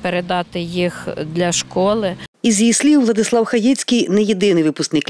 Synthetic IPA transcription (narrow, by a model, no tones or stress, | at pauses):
peɾed̪ɑt̪ɪjixd̪lʲɐʃkɔlˠɪizjislʲiwʋlˠɐd̪ɪslˠɑwxɐjit͡sʲkʲijnɛjed̪ɪnɪjʋɪpʊsknɪk